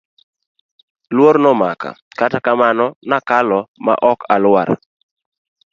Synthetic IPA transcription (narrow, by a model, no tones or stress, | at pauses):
lwoɾnɔmaka̰katakamanɔnakalɔma̰ʔɔkalwa̰ɾ